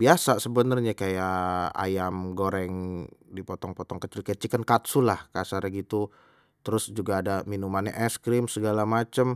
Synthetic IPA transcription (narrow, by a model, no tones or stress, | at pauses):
biasasəbənərɲakajaa̰jamɡoɾɛŋdipɔt̪ɔŋpɔt̪ɔŋkət͡ʃɪlkajat͡ʃikənkat̪sulahkasaɾaɡit̪u | t̪əɾʊsd͡ʒuɡaːdaminumana̰ʔɛskɾɪmsəɡalamat͡ʃəm